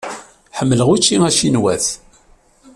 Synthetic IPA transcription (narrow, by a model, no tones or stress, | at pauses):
ħəmːələʁut͡ʃːiŋæʃinwæ̰θ